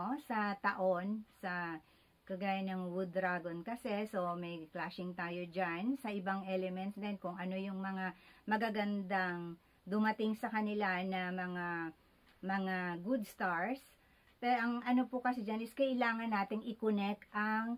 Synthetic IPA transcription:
sɐt̪ɐʔo̞nsɐ | kɐɡaːjɐnːɐŋwud̪ɾaɡonkɐsɛso̞mɐjklaʃɪŋt̪aːjod͡ʒansɐʔɪbaŋʔɛlɛmɛnt̪sd̪ɛnkʊŋɐno̞jʊŋmɐŋamɐɡaɡɐnd̪aŋ | d̪ʊmɐt̪ɪŋsɐkɐnɪlanɐmɐŋa | mɐŋaɡud̪̚st̪aɹs | pɛɾʔɐŋɐno̞pʊkɐsɛd͡ʒɐnɪskɐʔɪlaːŋɐnːaːt̪ɪŋɪkʊnɛk̪̚ʔɐŋ

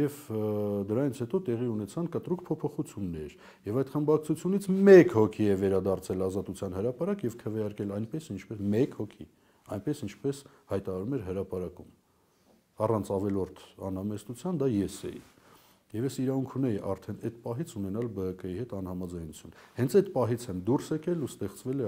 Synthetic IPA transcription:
jɛvd̪əɾɑjint͡sʰhɛt̪ɔt̪ɛʁiunɛt͡sʰɑnkət̪ɾukpʰɔpʰɔχut͡sʰjunːɛɾ | jɛvɑjt̪χəmbɑk̚t͡sʰut͡sʰjunit͡sʰmɛkhɔkʰiɛvɛɾɑd̪ɑrt͡sʰɛlɑzɑt̪ut͡sʰjɑnɦəɾɑpɑɾɑkjɛvkʰəvɛjɑɾkɛlɑjnpɛsint͡ʃʰpɛmɛkhɔkʰi | ɑjnpɛsint͡ʃʰpɛs | hɑjt̪ɑɾɑɾumɛɾɦəɾɑpɑɾɑkum | ɑrɑnt͡sʰɑvɛlɔɾt̪ʰɑ̰nhɑmɛst̪ut͡sʰjɑnd̪ɑjɛsɛ̰jḭ | jɛvjɛsiɾɑvuŋkʰunɛjiʔɑ̰ɾt̪ʰɛnɛt̪pɑɦit͡sʰunɛnɑlbəɦəkəjihɛt̪ɑnhɑmɑd͡zɑjnut͡sʰjunhɛnt͡sʰɛt̪pɑɦit͡sʰɛmd̪ursɛkɛlust̪ɛχt͡svɛlɛ

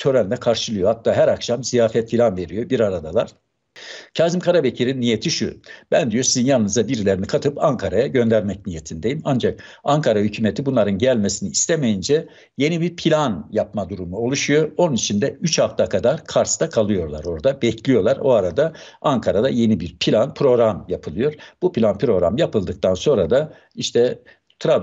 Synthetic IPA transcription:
t̪ʰø̞ɾænd̪ɛkʰaɾʃɯlˠɯjo̞hat̪ʰːaːɦæɾakʃamzijaːfɛt̪filʲanve̞ɾijo̞biɾaɾad̪alˠaɾ̥ | cʰaːzimkʰaɾabecʰiɾinːijet̪ʰiʃṵb̥ænd̪ijo̞sizinjannːɯzd̪abiɾilʲeɾinikʰat̪ʰɯpaŋkʰaɾajaɟø̞nd̪æɾmɛcnijet̪ʰinid̪e̞jimand͡ʒak̚aŋkʰaɾahycʰyːmet̪ʰibunlˠaɾɯnɟælʲme̞siniːst̪ʰemejind͡ʒɛ | je̞nibiɾpʰilʲanjap̚mad̪uɾumuo̞lˠuʃujo̞ɾo̞nunit͡ʃʰind̪ɛyt͡ʃʰhaft̪ʰakʰad̪aɾkʰaɾst̪ʰakʰalˠɯjo̞ɾlˠa̰ɾo̞ɾd̪abɛcʰlʲijo̞lˠaɾo̞aɾad̪a | aŋkʰaɾad̪aje̞nibiɾpʰilʲanpʰɾo̞ɾamjapʰɯlˠɯjo̞ɾb̥upʰilʲanpɾo̞ɾamjapɯlˠd̪ɯk̚t̪ʰanso̞nɾad̪a | iʃt̪ʰɛ | t̪ʰɾa

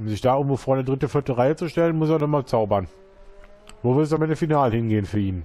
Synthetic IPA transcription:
ʔʊmzɪçd̥aːʔʊɡn̩vofoːɐnədʁɪtəfɪɐtəʁaɪət͡suʃtɛlənmʊseːɐnɔχmaːlt͡saʊbɐn | voːvɪɐtɛsamʔɛndəfinaːləhɪnɡeːənfyːɐʔiːn

